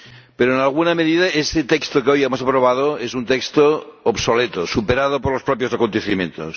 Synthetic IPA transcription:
peɾoenalˠɣunameðiðaeset̪ekst̪okeojemosapɾoβ̞að̞oesunt̪ekst̪oːbsolet̪osupeɾað̞opoɾlospɾopjosakont̪eθimjḛ̃nt̪o̰s

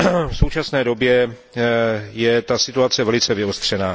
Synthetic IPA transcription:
fsowt͡ʃasnɛːdo̞bjɛ | jɛt̪asɪt̪uat͡sɛvɛlɪt͡sɛvɪost̪r̝̥ɛnaː

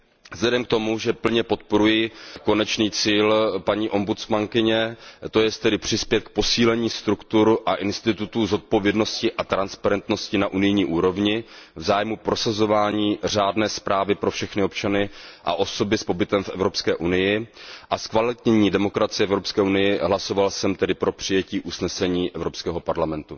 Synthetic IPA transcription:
vz̥lɛdɛmk̚t̪o̞muʒɛpl̩ɲɛpo̞t̪̚po̞ɾujɪko̞nɛt͡ʃniːt͡siːlpaɲiːʔo̞mbut͡smaŋkɪɲɛt̪o̞jɛst̪ɛdɪpr̝̥ɪspjɛt̪̚k̚po̞siːlɛɲiːst̪ɾukt̪uɾʔaʔɪnst̪ɪt̪ut̪uzo̞t̪̚po̞vjɛdno̞scɪʔat̪ɾanspaɾɛnt̪no̞scɪnaʔunɪjɲiːʔuːɾo̞vɲɪvzaːjmupɾo̞sazo̞vaːɲiːr̝aːdnɛːspɾaːvɪpɾo̞fʃɛxnɪo̞p̚t͡ʃanɪʔa̰ʔo̞so̞bɪspo̞bɪt̪ɛmfʔɛ̰vɾopskɛːʔunɪjɪʔaskvalɪt̪ɲɛɲiːdɛmo̞kɾat͡sɪjɛʔɛvɾo̞pskɛːʔunɪjɪɦlaso̞valsɛmt̪ɛdɪpɾo̞pr̝̥ɪjɛciːʔusnɛsɛɲiːʔɛvɾo̞pskɛːɦo̞paɾlamɛnt̪u

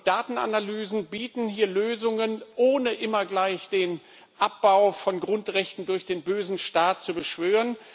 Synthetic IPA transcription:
d̥aːtn̩a̰nalyːzn̩biːtn̩hiːɐløːzʊŋənʔoːnəʔɪmɐɡlaɪçd̥eːn | ʔap̚b̥aʊfɔnɡʁʊntʁɛçtn̩dʊɐçd̥eːnbøːzn̩ʃtaːt̚t͡subəʃv̥øːʁən

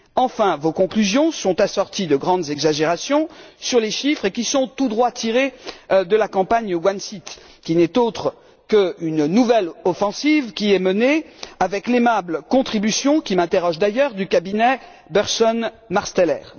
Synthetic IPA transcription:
ɑ̃fɛ̃vokɔ̃klyzjɔ̃sɔ̃t̪asɔʁt̪id̪əɡʁɑ̃d̪zɛɡzaʒeʁasjɔ̃syʁleʃifχekʲisɔ̃t̪ud̪ʁwat̪ʰiʁed̪əlakɑ̃paɲəwansit̪ | kʲinɛt̪ot̪χə | kəynnuvɛlɔfɑ̃sivkʲiɛməneavɛklemablkɔ̃t̪χibysjɔ̃kʲimɛ̃t̪eʁɔʒd̪ajœʁd̪ykabinɛ | bɛʁsɔn | maʁst̪ɛlɛːʁ

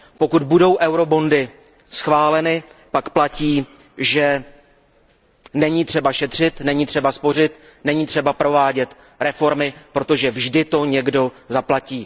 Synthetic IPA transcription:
po̞kud̪̚budo̞wʔɛwɾo̞bo̞ndɪ | sxvaːlɛnɪpakplaciː | ʒɛ | nɛɲiːt̪r̥ɛbaʃɛt̪r̝̥ɪt̪nɛɲiːt̪r̝̥ɛbaspo̞r̝ɪt̪ | nɛɲiːt̪r̝̥ɛbapɾo̞vaːɟɛt̪ | ɾɛfo̞ɾmɪpɾo̞t̪o̞ʒɛvʒdɪt̪o̞ɲɛɡdo̞zaplaciː

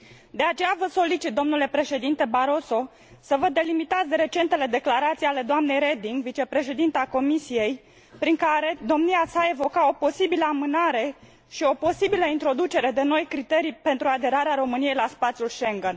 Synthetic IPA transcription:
d̪e̞at͡ʃe̞javəso̞lit͡ʃit̪̚d̪o̞mnule̞pɾe̞ʃe̞d̪int̪e̞baɾo̞so̞ | səvəd̪e̞limit̪at̪sd̪eɾe̞t͡ʃe̞nt̪e̞le̞d̪e̞klaɾat̪sijale̞d̪oamne̞jɾe̞d̪iŋɡvit͡ʃe̞pɾe̞ʃe̞d̪int̪eako̞misije̞j | pɾiŋkaɾe̞d̪o̞mniasae̞vo̞kao̞po̞sibiləamɨnaɾe̞ | ʃio̞po̞sibiləint̪ɾo̞d̪ut͡ʃe̞ɾe̞d̪e̞no̞jkɾit̪eɾijpe̞nt̪ɾuad̪e̞ɾaɾeaɾo̞mɨnije̞jlaspat̪sʲjulʃe̞ŋɡən

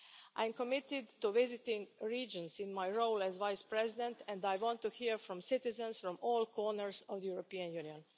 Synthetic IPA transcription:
ʔa̰jmkomɪt̪ɪd̪t̪uʋɪzɪt̪ɪ̃ŋɡɾiːd͡ʒɔ̃nsĩnmajɹoʊlɛzʋajspɾɛzɪd̪ɛ̃nt̪ɛ̃nd̪ajʋɔ̃nt̪ːuhiɹfɾɔ̃msɪt̪ɪzɛ̃nsfɾɔ̃mɔːlˠkʰɔːɹnəɹsɔvd̪əjuɾopiːãnjuːniɔ̃n

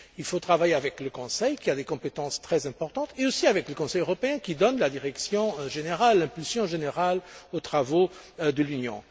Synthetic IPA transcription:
ilfot̪χavajeavɛkləkɔ̃sɛjkiad̪ekɔ̃pet̪ɑ̃st̪χɛzɛ̃pɔʁt̪ɑ̃t̪eosiavɛkləkɔ̃sɛjøʁɔpeɛ̃kʲid̪ɔnlad̪iʁɛksjɔ̃ʒeneʁalːɛ̃pylsjɔ̃ʒeneʁalot̪χavo | d̪əlynjɔ̰̃

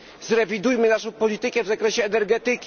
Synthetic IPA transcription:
zɾɛvʲid̪ujmɘnaʂɔ̃w̃pɔlʲit̪ɘkɛvzakɾɛɕɛːnɛɾɡɛt̪ɘkʲ

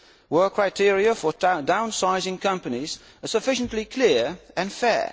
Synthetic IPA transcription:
wɜˑ˞kʰɹ̥aɪtʰɪəɹiəfədãʊ̃nsaɪzɪ̃ŋkʰʌ̃mpəniz̥ | əsəfɪʃə̃nʔlikʰl̥ɪəɹə̃nfɛ̰ː

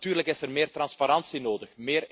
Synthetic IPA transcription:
tyːrləkɪsərmeːrt̪rɑnspaɾɑnsinoːdəxmeːr

